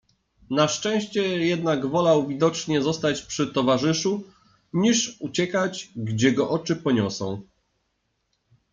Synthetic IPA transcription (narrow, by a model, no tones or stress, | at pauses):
naʂt͡ʂɛ̃w̃ɕt͡ɕɛjɛd̪naɡvɔlawvʲid̪ɔt͡ʂɲɛzɔst̪at͡ɕpʂɘt̪ɔvaʐɘʂu | ɲiʂut͡ɕɛkad͡ʑɡd͡ʑɛɡɔʔɔt͡ʂɘpɔɲɔsɔ̰̃w̃